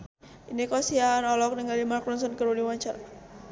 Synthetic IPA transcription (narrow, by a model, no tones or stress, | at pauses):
inikɔsianɔlɔk̚nəŋɡalimarklɔnsɔnkəɾuniwaɲt͡ʃaɾa